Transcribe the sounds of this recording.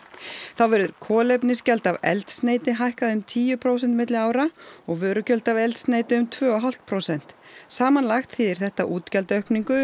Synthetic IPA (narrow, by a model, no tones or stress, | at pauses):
θawvɛɾðʏɾkʰɔːlejpnɪscɛlt̪avɛ̰lt̪st̪neːjt̪ɪɦajhkaðɪʏmt̪ʰiːjʏpʰɾoːwsɛnt̪mɪt̪lɪaːwɾaɔɣvœːɾʏcœlt̪avɛlt̪st̪neːjt̪ɪʏmt̪ʰvœːɔɦal̥t̪̚pʰɾowsɛn̥t̪saːmanlaxt̪fɪːðɪɾ̥θɛht̪aʔuːt̪cɛlt̪œhkniŋkʏ